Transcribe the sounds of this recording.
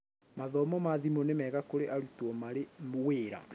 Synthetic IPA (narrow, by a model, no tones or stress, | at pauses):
maðɔmɔmaðimonemɛɣakoɾeʔaɾutwɔmaɾeweːɾa̰